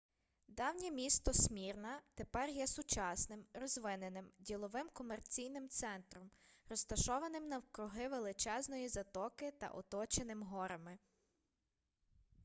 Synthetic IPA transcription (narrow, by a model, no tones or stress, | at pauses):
d̪ɑwnʲɛmʲist̪ɔsʲmʲirnɐt̪epɛrjɛsʊt͡ʃɑsnɪmɾɔzʋɪnenɪmdʲilˠɔʋɪmkɔmert͡sʲijnɪmt̪sɛnt̪ɾɔmɾɔst̪ɐʃɔʋɐnɪmnɐwkɾʊɦɪʋelˠɪt͡ʃɛznɔjizɐt̪ɔkɪt̪ɐ̰ʔɔ̰t̪ɔt͡ʃenɪmɦɔɾɐmɪ